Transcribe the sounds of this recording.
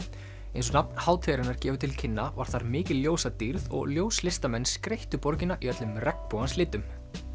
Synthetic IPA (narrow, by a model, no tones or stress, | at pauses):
ẽjnsɔnap̚nhaːwt̪ʰɛːɾɪnaɾ̥cɛːvʏt̪ʰɪlcʰɪnːava̰ɾ̥θaɾmɪːcɪlːjoːwsat̪iɾðɔ̰ɣljoːwslɪst̪amɛnːskɾejht̪ʏpɔɾcɪnaʔiœt̪lʏmrɛkpoːɣanslɪːt̪ʏm